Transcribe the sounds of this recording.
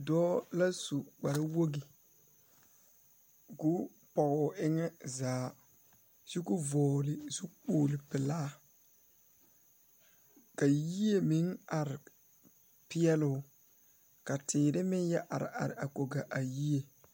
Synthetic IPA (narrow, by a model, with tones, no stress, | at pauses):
dɔː˦la˦su˨ɡ͡ba˨ɾa˦wo˦ɡi˨ | ɡʊ˦ | pɔ˨ɣʊ˨ɪ˦ŋɛ˦zaː˨˦ | z̥u˦ɡʊ˦vɔː˨lɪ˨zu˦k͡poː˦˨lɪ˨pɪ˨laː˦ | ka˨ji˦e˨mi˨˦ŋa˨ɾɪ˨ | pɪ˦ɛ˦lʊ˦ | ka˨tʰɪː˨ɾɪ˦mɪ˦njɛ˦ʔa˨ɾɪ̰˨ʔa˨ɾɪ̰˨ʔa˨ko˨ɡa˨ʔa˨ji˦e˨